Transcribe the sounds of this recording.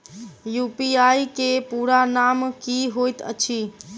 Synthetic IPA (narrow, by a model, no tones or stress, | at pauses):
jupiajkepuɾanamkiɦojt̪ə̰t͡ʃʰi